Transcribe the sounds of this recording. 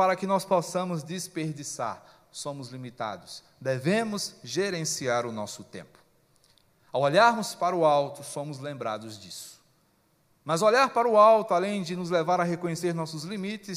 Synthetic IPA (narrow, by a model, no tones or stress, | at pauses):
paɾɐkɪnɔspɔsɐ̃mʊzd͡ʒɪspeɾd͡ʒisa̰ɾ | sõmʊzlimit̪a̰d̪ʊs | d̪evẽmʊzʒeɾẽsiaɾʊnɔsʊt̪ḛ̃mpʊ̥ | awoʎaɾnʊspaɾʊawt̪ʊfõmʊzlẽmbɾa̰d̪ʊzd͡ʒisʊ̥ | mɐzoʎaɾpaɾɐʊawt̪ʊalẽj̃d͡ʒɪnʊzlevaɾɐɦekõɲeseɾnɔsʊzlimit͡ʃɪs